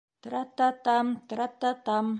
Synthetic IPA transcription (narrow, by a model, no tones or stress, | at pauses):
t̪ɾat̪ːat̪amt̪ɾat̪ːat̪am